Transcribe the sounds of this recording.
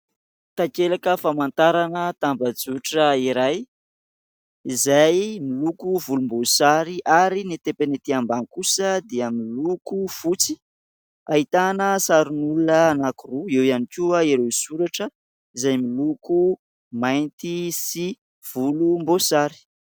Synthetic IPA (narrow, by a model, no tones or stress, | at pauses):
t̪akelakəfamant̪aɾanət̪ambəd͡zuʈ͡ʂəiɾaj | izajmilukuvulumbosaɾiʔaɾinet̪epenet̪iambankusəd̪eəmilukufut͡si | ait̪anəsaɾinulunəːnakuruewianikʲuaeɾewisuɾaʈ͡ʂə | izajmiluku | majnt̪isi | v̥ulumbosaɾi̥